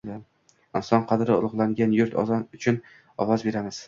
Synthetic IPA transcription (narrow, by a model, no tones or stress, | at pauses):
ɪnsɒnqʰɑd̪ɾɪʊlˠʊʁlˠaŋɡʲanjʊɾt̪ʰɒ̰zɒnʊt͡ʃʰʊn | ɒwɒzbe̞ɾamɪz̥